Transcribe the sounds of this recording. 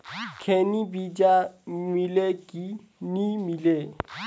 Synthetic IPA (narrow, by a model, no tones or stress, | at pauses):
kʰɛnibid͡ʒaŋileki | nimile